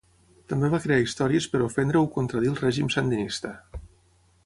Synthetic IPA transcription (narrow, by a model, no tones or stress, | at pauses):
t̪əmbeβakɾeaist̪ɔɾiəspəɾufɛnd̪ɾəukont̪ɾəðilˠrɛʒimsənd̪inist̪ə